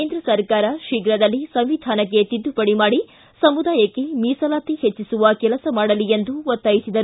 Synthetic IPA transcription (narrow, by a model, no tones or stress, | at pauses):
eːnd̪ɾɐsɐɾkaːɾɐʃiɡɾɐd̪ɐlːisɐmʋid̪ʱaːnɐkːe̞t̪id̪ːupɐɽimaːɽi | sɐmud̪aːjɐkːemiːsɐlaːt̪ihet͡ʃːisuʋɐkɛlɐsɐmaːɽɐlie̞nd̪uot̪ːaːjisid̪ɐɾu